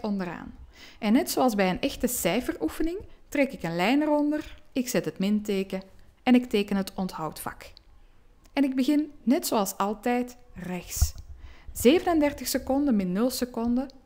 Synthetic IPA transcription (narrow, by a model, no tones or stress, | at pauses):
ɔndəra̰ːnʔɛnːɛtsoɑlˠzbɛjənɛxtəsɛjfərufənɪŋtrɛkɪkənlɛjnərɔndərɪksɛtɦətmɪnteːkəɛnɪkteːkənɦətɔntɦɑwtfɑ̰k | ɛnɪɡ̚bəɣɪnːɛtsoɑlˠsɑlˠtɛjtrɛxs | z̥eːvənəndɛrtəxsəkɔndəmɪnnɵlˠsəkɔndə